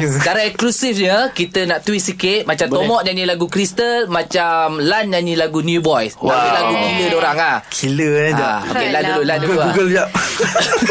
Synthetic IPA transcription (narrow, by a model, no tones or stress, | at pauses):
kaɾaɛklusifɲəkit̪ənaʔt̪wisikɪt̪̚mat͡ʃamt̪omɔʔɲaɲilaɡukɾist̪əlmat͡ʃamlanɲaɲilaɡunjubɔjsdalaɡukilədoɾaŋahkʰiləd͡ʒaao̰keladululanduɡuɡəlia